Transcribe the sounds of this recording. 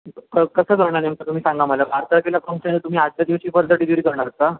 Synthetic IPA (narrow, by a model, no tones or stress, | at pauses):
kəkəsəːkəɾɳ̃anemt̪at̪um̤iːsãŋɡam̤ajlakaɾt̪əɾkelakəmsanet̪um̤iːad̪̚t͡ɕjad̪iʋɕiːpəɾd̪ʱəʈiːd̪iʋɾiːkəɾɳ̃alaɡ̚t̪a